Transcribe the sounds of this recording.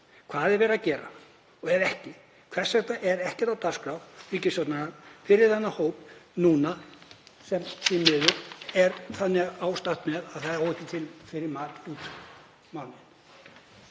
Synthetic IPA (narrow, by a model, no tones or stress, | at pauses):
kʰvaːðɛɾvɛːɾacɛːɾa̰ | ɔɣɛɾɛhcɪ | kʰvɛ̥sɛht̪aʔɛɾɛhcɛ̥t̪awt̪ḁskɾawriːcɪsjɔt̪nanaɾfɪɾɪɾ̥θɛnːahoːwpnuːnasɛmsimːɪːðʏɛɾθanːɪaːwst̪ḁt̪mɛðaðθaðɪɾowɪhcːɪt̪ʰɪlfɪɾɪɾmaːt̪uːt̪ | mawnɪn